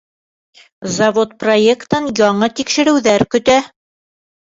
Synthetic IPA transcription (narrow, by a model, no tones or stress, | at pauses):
zɐvot̪̚proekt̪ɤnjɒɴɤt̪ikʃɘ̆ɾɘ̆wðæɾkɵ̆t̪æ